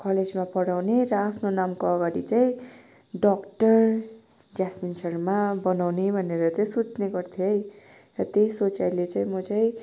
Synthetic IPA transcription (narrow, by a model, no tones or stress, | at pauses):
kʌled͡zmapʌɽawneɾʌapʰnonamkoʌɡaɾit͡saĩ | ɖʌkʈʌr | d͡zasminsʰʌrmabʌnawnebʱʌneɾʌt͡saĩsut͡sneɡʌrt̪ʰjoj | rʌt̪ejsot͡sajlet͡sãĩmʌt͡saĩ